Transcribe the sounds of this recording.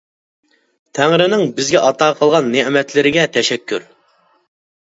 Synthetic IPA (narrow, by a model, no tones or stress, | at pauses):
t̪ʰæŋɾɪnɪŋbɪzɡʲɛʔɑt̪ʰɑːqʰəlˠʁɑnːeʔmɛt̪ʰlɪɾɪɡʲɛt̪ʰɛʃɛkʲʰːyɾ